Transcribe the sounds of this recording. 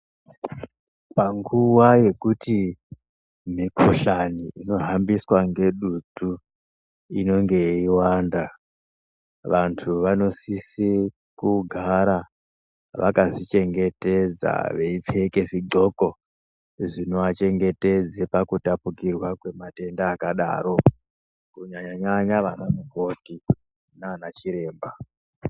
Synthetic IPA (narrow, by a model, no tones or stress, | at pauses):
paŋɡuwaje̞kuti | mikʰoɬaniino̞ɦambiswaŋɡe̞ɗudʱu | ino̞ŋɡe̞iwanda | ʋantʰuʋano̞sisi | kuɡʱaɾa | ʋa̰kaʐit͡ʃe̞ŋɡe̞te̞d͡za̰ʋeip͡feke̞ʐiɡ͡ǃo̞ko̞ | ʐino̞at͡ʃe̞ŋɡe̞te̞d͡zepakutapukirwakwe̞mate̞ndaːkaɗa̰ːɾo̞ | kuɲaɲaɲaɲaʋanamuko̞ti | naːnat͡ʃiɾe̞ːmba